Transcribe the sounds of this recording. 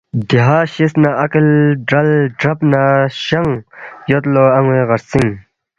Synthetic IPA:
d̪iɦaːɕisnaʔɐklɖɾɐlɖɾɐpnaɕɐŋjot̪loɐŋweɣɐɾsiŋ

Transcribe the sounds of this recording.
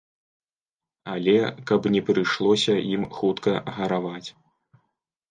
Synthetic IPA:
alʲɛkɐpnʲɛpɾɨʂlˠɔsʲɐimxut̪kɐɣɐɾavat͡sʲ

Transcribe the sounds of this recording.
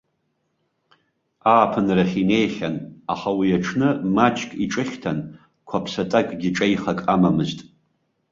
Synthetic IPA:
aːpʰɨnraχʲine̞jχʲanaχawiaʈ͡ʂʰnɨmat͡ʃʼkʼiʈ͡ʂʼɨχʲtʰan | kʷʰapʰsatʼakʼɡʲɪʈ͡ʂʼejχakʼamamɨztʼ

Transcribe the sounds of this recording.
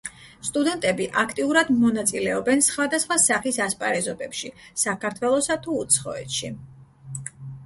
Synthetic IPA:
st̪ʼud̪ɛnt̪ʼɛbiʔakʰt̪ʼiuɾad̪mɔnat̪sʼilɛɔbɛnsχwad̪asχwasaχisaspʼaɾɛzɔbɛpʃisakʰaɾt̪ʰwɛlˠɔsat̪ʰuːt̪sʰχɔ̰ɛ̰t̪ʃi

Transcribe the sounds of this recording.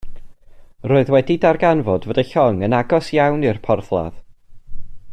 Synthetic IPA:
roːɨðwɛdidarɡanvɔdvədaɬɔŋənaɡɔsjawnɪrpʰɔrθlˠa̰ð

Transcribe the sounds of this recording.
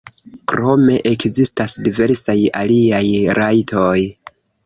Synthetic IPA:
kɾo̞me̞ʔekzistasdive̞ɾsaja̰liajɾajtʰoj

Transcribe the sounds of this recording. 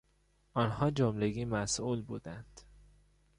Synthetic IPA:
ʔɒːnhɒːd͡ʒomleɡiːmæsʔuːlbuːd̪ænd̪̥

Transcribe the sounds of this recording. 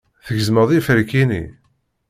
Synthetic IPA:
θəʝzməðˤifəɾkinḭ

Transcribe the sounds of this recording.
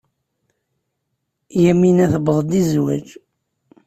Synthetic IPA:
jæminæθəbðˤd̪izwæ̰d͡ʒ

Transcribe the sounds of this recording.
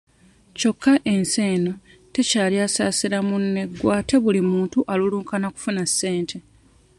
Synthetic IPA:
co̞kʰːaʔe̞nse̞ːno̞ | te̞caːliaːsaːsiɾamunːe̞ɡwaːte̞βulimuːntuʔaluluːŋkanaku̥funasːe̞ːntʰe̞

